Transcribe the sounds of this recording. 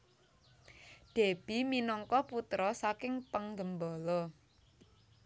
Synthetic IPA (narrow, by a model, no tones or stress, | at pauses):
ɖ̪̥e̤b̥i̤minɔŋkɔput̪ɾɔsakɪŋpəŋɡəmbɔlɔ